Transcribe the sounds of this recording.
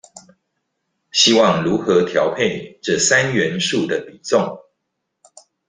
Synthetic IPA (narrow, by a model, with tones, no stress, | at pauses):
ɕi˦wɑ˥˨ŋɻu˨˦xɤ˨˧˦t̪ʰjɑ˨˦ʊpʰe˥˨ʈ͡ʂɤ˥˨sa˦nɥɛ˨˦nʂu˥˨d̪ə˩pi˨˩t͡so˥˨ŋ